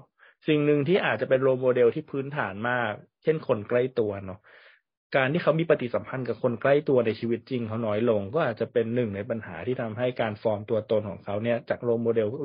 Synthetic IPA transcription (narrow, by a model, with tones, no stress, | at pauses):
si˨˩ŋnɯ˨˩ŋt̪ʰiː˥˩ʔaː˨˩t̪̚t͡ɕa˨˩pe˧nɾoː˧mːoː˧de˧wt̪ʰiː˥˩pʰɯː˦˥nt̪ʰa̰ː˩˦nmaː˥˩k̚ | t͡ɕʰe˥˩nkʰo˧nkla˥˩jt̪u˧ɐnɔ˦˥ | kaː˧nt̪ʰiː˥˩kʰa˦˥wmiː˧pa˧t̪i˨˩sa˩˦mpʰa˧nka˨˩kʰo˧nkla˥˩jt̪u˧ɐna˧jt͡ɕʰiː˧wi˦˥t̪̚t͡ɕi˧ŋkʰa˦˥wnɔː˦˥jlo˧ŋkɔː˥˩ʔaː˨˩t̪̚t͡ɕa˨˩pe˧nːɯ˨˩ŋna˧jpa˧nha̰ː˩˦t̪ʰiː˥˩t̪ʰa˧mɦa˥˩jkaː˧nfɔː˧mt̪u˧ɐt̪o˧nkʰɔ̰ː˩˦ŋkʰa˦˥wni˥˩ɐt͡ɕaː˨˩k̚ɾoː˧mːoː˧de˧w